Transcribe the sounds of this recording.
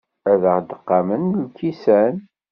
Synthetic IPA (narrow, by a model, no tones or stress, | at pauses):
æðəʁd̪əqːɑmənlkːisæn